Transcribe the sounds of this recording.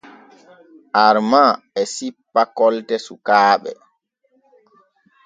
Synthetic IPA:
ʔaɾma | ɛsipːakɔltɛsukaːɓɛ̰

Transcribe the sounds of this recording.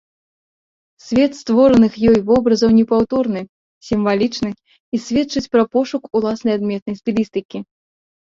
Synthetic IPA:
sʲvʲɛt̪st̪vɔɾɐnɨxjɔjvɔbɾɐzɐwnʲɛpawt̪ɔrnɨ | sʲimvalʲit͡ʂnɨx | isʲvʲɛtt͡ʂɨt͡sʲpɾɐpɔʂukulˠasnɐjad̪mʲɛt̪̚nɐjsʲpʲilʲist̪ɨkʲi

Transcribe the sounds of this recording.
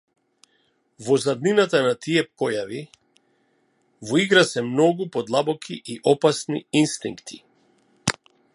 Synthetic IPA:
vɔzad̪ninat̪anat̪iɛpkɔjavi | vɔiɡɾasɛmnɔɡupɔd̪lˠabɔkʰiʔiʔɔpasniinst̪ḭŋkt̪ʰi̥

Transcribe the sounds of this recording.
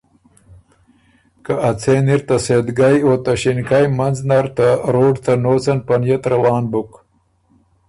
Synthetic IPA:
kaʔɐt͡sʰeːniɾt̪ɐsed̪ɡajoːt̪ɐɕinkajmɐnznɐɾt̪aɾoːɖt̪anoːt͡sɐnpɐnjɐt̪ɾɐwɑːnbʊk

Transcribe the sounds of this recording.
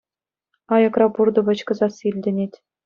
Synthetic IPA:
ɑjɤ̆krɑpurd̪ɤ̆ʋɤ̆t͡ɕkɤ̆zɑsilʲdʲɘ̆nʲetʲ

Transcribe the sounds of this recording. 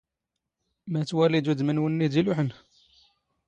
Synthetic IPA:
mæt̪wælid̪ud̪mənwənːid̪iluħənh

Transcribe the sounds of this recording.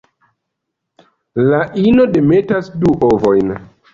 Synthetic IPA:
laʔino̞de̞me̞tasduʔovo̞jn

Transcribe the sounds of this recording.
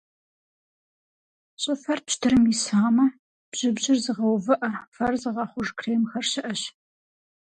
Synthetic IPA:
ɕʼɨfɐrpʃtʰɨɾɨmjɪsaːmɐ | b̥ʑ̥ɪbʑɪrzɨʁɐwvɨʔɐfɐrzɨʁɐχʷʊʒkʰreːmxɐrɕɪʔɐɕ

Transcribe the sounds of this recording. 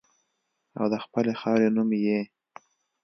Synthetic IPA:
a̰wd̪əxpəlexɑɾenumje

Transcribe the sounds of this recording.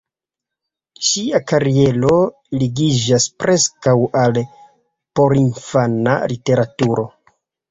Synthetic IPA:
ʃiakaɾie̞lo̞ | liɡid͡ʒaspɾʔe̞skawal | po̞ɾinfana̰lite̞ɾatuɾo̞

